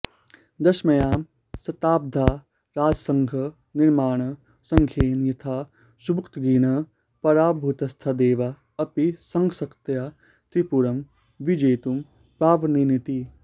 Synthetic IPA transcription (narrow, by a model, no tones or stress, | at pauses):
d̪ɐʃmɐjaːm | sɐt̪aːb̚d̪ʱaː | ɾaːd͡ʒsɐ̃ŋɡʱɐ | niɾmaːɳ̃ɐ | sɐŋkʰjeːnjit̪ʰa | subukt̪ɡiːnɐ | pɐɾaːbʱut̪ɐst̪ʰad̪eːʋa | ɐpisɐŋɡʰsɐkt̪ja | t̪ɾipuɾɐm | ʋid͡ʒeːt̪um | pɾaːʋɐninit̪i